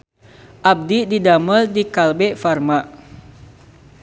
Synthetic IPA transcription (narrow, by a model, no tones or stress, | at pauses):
ʔab̚dididaməldikalbɛfarma